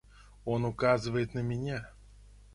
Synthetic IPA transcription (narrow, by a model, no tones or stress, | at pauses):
onukazɨvəjɪt̪nəmʲɪnʲa